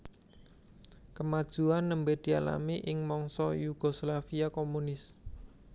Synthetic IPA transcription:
kəmad̥ʒ̥ṳanːəmbed̪̥i̤ala̰miʔɪŋmɔŋsɔjuɡ̥o̤slafiakomunɪs

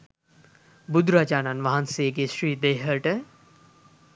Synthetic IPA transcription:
bud̪ɾad͡ʒaːnanʋɐɦanseːɡeʃɾiːd̪eːɦəʈə

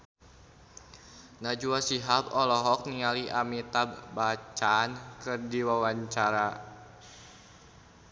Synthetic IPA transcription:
nad͡ʒuasiɦapɔlɔɦɔk̚niŋaliʔamit̪ab̚bat͡ʃankɨrdiwawaɲt͡ʃaɾa

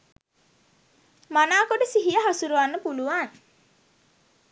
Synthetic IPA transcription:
manaːkoɖəsiɦijəɦasuɾuʋanːəpuluʋaːn

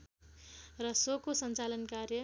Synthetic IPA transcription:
rʌsokosʌnt͡salʌnkaɾjʌ

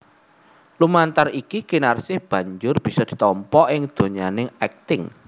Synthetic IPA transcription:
lumant̪arikikinarsɪhb̥ä̤ɲd͡ʒʊrb̥i̤sɔd̪̥i̤̥t̪ɔmpɔʔɪŋd̪̥o̤ɲanɪŋɛk̚t̪ɪŋ

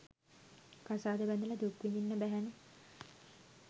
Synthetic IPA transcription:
kasaːd̪əbænd̪ələd̪ukʋininːəbæɦæne

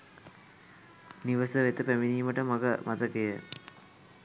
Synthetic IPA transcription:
niʋəsəʋet̪əpæminijməʈəmɐɡəmɐt̪əkejə

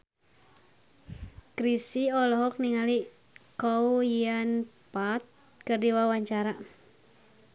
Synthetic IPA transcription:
kɾisiɔlɔɦɔk̚niŋali | kɔujianpat̪̚ | kərdiwawaɲt͡ʃaɾa

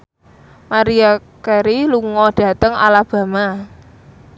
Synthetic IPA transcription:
maɾiakɛɾiluŋɔd̥a̤t̪əŋa̰lab̥a̤ma

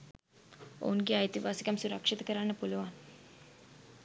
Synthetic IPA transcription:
o̰nɡiajt̪iʋasi̥kamsuɾakʂit̪əkəɾanːəpuləʋan

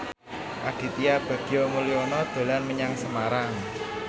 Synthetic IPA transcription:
ʔaɡ̥i̤t̪ijab̥a̤d̪̥i̤jɔmuliɔnɔd̪̥o̤lanməɲaŋsəmaɾaŋ

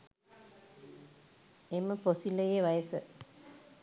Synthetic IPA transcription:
eməposiləjeʋajəsə

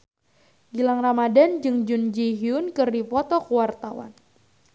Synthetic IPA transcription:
ɡilaŋramadand͡ʒɨŋd͡ʒund͡ʒiɦiʊnkɨrdipɔt̪ɔkuwart̪awa̰n

